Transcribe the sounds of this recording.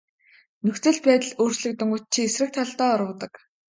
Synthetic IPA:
nɵxt͡sɘ̆ɮpæːt̪ə̆ɮoːr̥t͡ɕɮɘ̆k̚t̪ɵŋɡʊ̆t̪̚t͡ɕʰiesrɘ̆k̚t̪ʰɔɮt̪ɔːɾə̆t̪ə̆k

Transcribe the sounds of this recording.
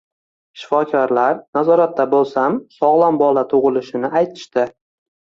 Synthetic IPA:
ʃɪ̥fɒkʲʰaɾlaɾnazɒɾat̪ːabolˠsamsɒʁlˠambɒlat̪ʰʊʁɨlɪʃɪnɪajt̪ʰɪ̥ʃt̪ɪ

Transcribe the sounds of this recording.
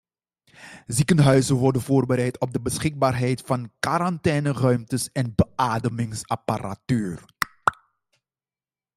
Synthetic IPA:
zikənɦœɥzənʋɔrdənvoːrbəɾɛjtʰɔb̚dəbəsχɪɡ̚baːrɦɛjtfɑnkaɾɑntɛːnərœɥmtəsɛnbəʔaːdəmɪŋsɑpara̰tyːr

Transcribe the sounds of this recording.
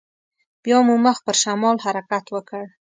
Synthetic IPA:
b̥jɑmuməx̚pəɾʃamɑlhaɾakat̪wəkəɽ

